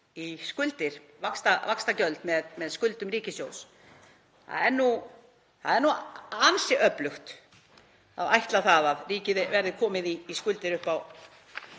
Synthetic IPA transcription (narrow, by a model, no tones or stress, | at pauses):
iskʏlt̪ɪɾ̥ | vakst̪avakst̪acœlt̪mɛðmɛðskʏlt̪ʏmriːcɪsjoːws | θa̰ðɛɾnu | θa̰ðɛɾnuansɪʔœplʏxt̪ | a̰vajht̪laθaðaðriːcɪðɪvɛɾðɪkʰɔːmɪðiːskʏlt̪ɪɾʏhpaw